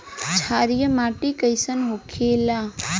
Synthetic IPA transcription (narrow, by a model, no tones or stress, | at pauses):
t͡ʃʰaɾijəmaʈikəjsənɦokʰela